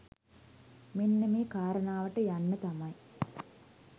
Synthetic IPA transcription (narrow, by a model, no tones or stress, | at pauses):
minːɐmeːkaːɾɐnaːʋɐʈɐjɐnːɐt̪ɐmɐj